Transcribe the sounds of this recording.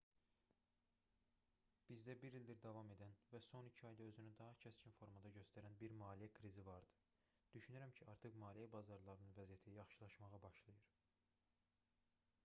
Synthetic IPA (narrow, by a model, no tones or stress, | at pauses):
b̥izd̪æbiɾild̪iɾd̪ɑvɑme̞d̪ænvæso̞nicʰiɑjd̪ɑøzynyd̪ɑɦɑcʰæscʰinfo̞ɾmɑd̪ɑɟø̞st̪æɾænbiɾmɑːlijækʰɾizivɑɾd̪ɯ̥ | d̪̥yʃynyɾæmcʰiɑɾt̪ʰɯχmɑːlijæbɑzɑɾlˠɑɾɯnɯnvæzijæt̪ʰijɑχʃɯlˠɑʃmɑʁɑbɑʃlˠɯjɯɾ